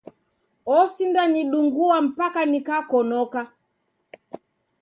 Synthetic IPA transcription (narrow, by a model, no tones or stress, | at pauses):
ɔsindaniɗuŋɡuam̩pakanikakɔnɔka